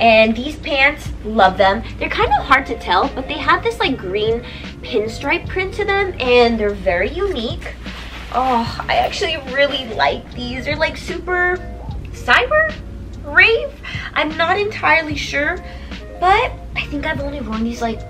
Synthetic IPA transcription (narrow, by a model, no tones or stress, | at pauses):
ʔɨ̃nðiz̥pʰæ̃ntslʌvðə̃mðə˞kʰãɪ̃ndʌv̥hɑɹd̚tʰɨtʰɛlˠb̥ʌt̪̚ðeɪəvðɪslaɪk̚ɡ̥ɹĩn | pʰɪ̃nstɹ̥aɪp̚ʰɹ̥ɪ̃ntʰɨðɨ̃mɨ̃nðə˞vɛɹijʉnik | ʔɔa̰ɪæk̚t͡ʃʉl̩ˠiɹɪlˠila̰ɪk̚ðizðə˞laɪksʉpə˞ | saɪbə˞ | ɹeɪv̥ʔã̰ɪ̃mnəɾɨ̃ntʰaɪə˞lˠiʃʊɹ | b̥ʌɾ | aɪθɪ̃ŋkaɪvõʊ̃nliwʌ̃nðizlaɪk̚